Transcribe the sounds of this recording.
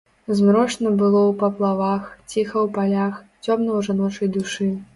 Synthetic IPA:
zmɾɔʂnɐbɨlˠɔwpɐplˠavaxt͡sʲixɐwpalʲaxt͡sʲɔmnɐwʐanɔt͡ʂɐjd̪uʂɨ

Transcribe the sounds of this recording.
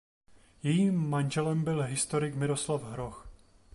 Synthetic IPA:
jɛjiːmːanʒɛlɛmbɪlɦɪst̪o̞ɾɪkmɪɾo̞slafɦɾox

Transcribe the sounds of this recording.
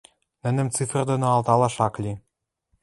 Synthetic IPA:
nɘ̆nɘ̆mt͡sɨf̆rd̪onoɑlˠt̪ɑlɑʃɑklʲi

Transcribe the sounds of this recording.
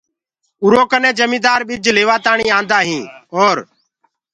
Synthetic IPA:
ʊɾoːkənẽːd͡ʒəmĩːd̪aːɾɓɪd͡ʒleːʋaːt̪aːɳiːãːnd̪aːɦĩːoːɾ

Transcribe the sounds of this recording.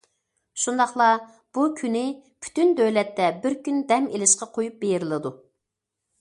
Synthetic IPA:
ʃund̪ɑχlˠɑ | b̥ukʲʰynɪpʰy̥t̪ynd̪øwlɛt̪ːɛbɪɾkʲynd̪ɛmelɪʃqɑqʰojup̚bejɾɪlˠɨd̪u

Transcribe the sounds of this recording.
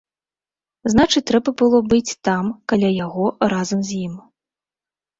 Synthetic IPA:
znat͡ʂɨt͡sʲt̪ɾɛbɐbɨlˠɔbɨt͡sʲt̪amkalʲajaɣɔrazɐmzʲjim

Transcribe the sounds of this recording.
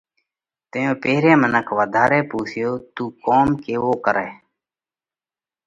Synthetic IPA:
t̪ejõːpeːɾẽːmənəkʰʋəːd̪ʱaːɾeːpuːsʰɪjoːt̪uːkoːmkeːʋoːkəɾɛː

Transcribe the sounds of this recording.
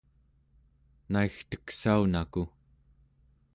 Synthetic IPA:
naixt̪ə̥ksaunaku

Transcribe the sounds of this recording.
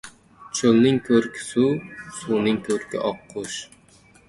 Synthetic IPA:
t͡ʃʰølˠnɪŋkʲʰøɾkʲʰɪ̥susuːnɪŋkʲʰøɾkʲʰḭʔɑqʰːʊʃ

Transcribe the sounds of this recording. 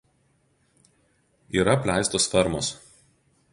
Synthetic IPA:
iːɾɐpʲlʲæˑɪst̪osfʲɛɾmos

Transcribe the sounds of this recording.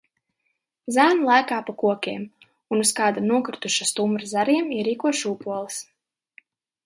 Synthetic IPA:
zæːnlˠajkaːpakuɔkʲiɛm | unuskɑːd̪anuɔkɾut̪uʃast̪umbɾazaɾiɛmiɛɾiːkuɔʃupuɔlˠis

